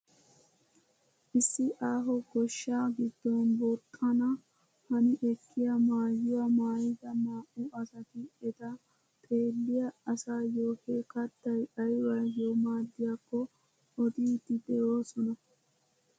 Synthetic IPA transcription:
ʔɪsːɪʔaːɦɔɡɔʃːaːɡɪd̪ːɔnbɔɾt̪ʼːɐnɐ | hɐnɪʔɛkːɪjɐmaːjːʊwɐmaːjɪd̪ɐmaːʔʊʔɐsɐt̪ɪɛd̪a | t̪ʼe̞ːlːɪjɐɐsaːjoːhekɐt̪ːɐjɐjwɐjoːmaːd̪ːɪjakːɔ | ɔd̪iːd̪ɪd̪ɛjoːsɔnɐ

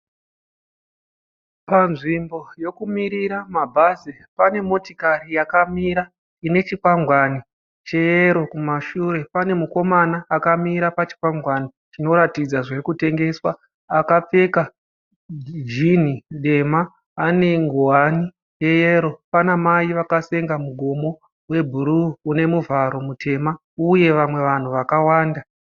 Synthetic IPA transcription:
panʐimbo̞jo̞kumiɾiɾamabʱazi | pane̞mo̞tikarijakamiɾa | ine̞t͡ʃikwaŋɡwani | t͡ʃe̞jeɾo̞kumaʃuɾe̞pane̞muko̞manaːkamiɾapat͡ʃi̥kwaŋɡwani | t͡ʃino̞ɾatid͡zaʐerkute̞ŋɡe̞swa | akap͡fe̞ka | d͡ʒin̤iɗe̞maː | ne̞ŋɡoani | je̞jeɾo̞panamaiʋakase̞ŋɡamuɡʱo̞mo̞ | we̞bʱuɾuːne̞muvaɾo̞mutʰe̞ma | uje̞ʋamwe̞ʋan̤uʋakawaːnda

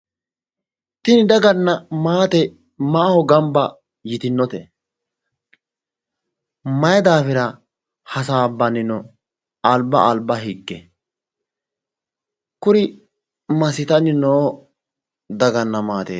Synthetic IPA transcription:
t̪ɪnɪd̪ɐɡɐnːɐmaːt̪ɛ | maːhɔɡɐmbɐ | jɪt̪ɪnːɔt̪ɛ | mɐjɛd̪aːfɪɾɐ | hɐs̬aːbːɐnːɪnɔ | albːɐʔalbːɐɦɪɡːɛ | kʊɾɪ | mɐsɪt̪ɐnːɪnoː | d̪ɐɡɐnːɐmaːt̪ḛː

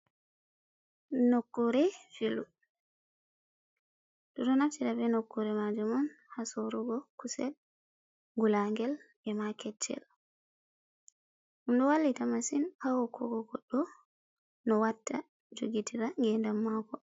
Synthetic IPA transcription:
nokːuɾɛfilu | dɔtɔnaftiɾabɛnokːuɾɛmad͡ʒumɔnhasoɾuɡɔkusɛ̰l | ŋɡulaŋɡɛlʔɛmakɛt͡ʃʰːɛ̰l | ʔumɗɔwalːitamasinhawɔkʰɔ̰ɡɔɡɔɗːɔ | nɔwatːa | d͡ʒoɡitʰiɾaŋɡɛndamːakɔ

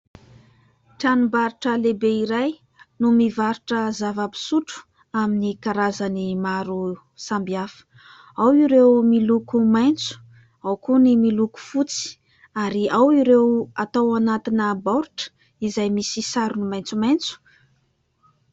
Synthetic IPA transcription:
ʈ͡ʂanumbaɾiʈ͡ʂəlebeiɾaj | numivaɾiʈ͡ʂəzavapi̥suʈ͡ʂu̥ | aminikaɾazənimaɾu | sambiafə̥ | awiɾewmilukumajnt͡su̥ | awkunimiluku̥fut͡si̥ | aɾiawiɾewat̪awanat̪inəbaɾuʈ͡ʂə̥ | izajmisisaɾunumajnt͡sumajnt͡su̥

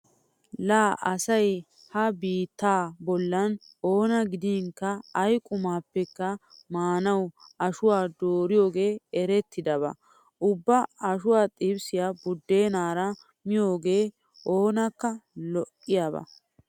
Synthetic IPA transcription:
laːʔɐsɐj | hɐbiːt̪ːaːbɔlːɐn | o̞ːnɐɡɪd̪iːŋkːɐɐjkʼʊmaːpːɛkːɐmaːnɐwɐʃʊwaːd̪oːɾɪjo̞ːɡe̞ːɛɾɛt̪ʰːɪd̪ɐβɐ̰ | ʊbːɐɐʃʊwaːt̪ʼɪbsɪjaːbʊd̪ːeːnaːɾɐ | mɪjo̞ːɡe̞ː | o̞ːnɐkːɐlɔʔʼːɪjabɐ̰

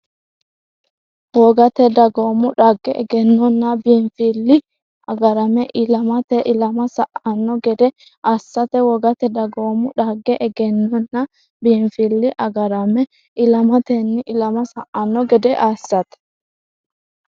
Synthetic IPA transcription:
wɔɡɐt̪ɛd̪ɐɡoːmʊᶑaɡːɛɛ̰ɡɛnːɔnːɐbiɱfilːɪ | ɐɡɐɾɐmɛʔɪlɐmɐt̪ɛʔɪlɐmɐsɐʔɐnːɔɡɛd̪ɛ | ʔasːɐt̪ɛwɔɡɐt̪ɛd̪ɐɡoːmʊᶑaɡːɛʔɛɡɛnːɔnːɐ | biːnfilːɪʔɐɡɐɾɐmɛ | ʔɪlɐmɐt̪enːɪʔɪlɐmɐsɐʔɐnːɔɡɛd̪ɛʔaːsːɐt̪ɛ̥

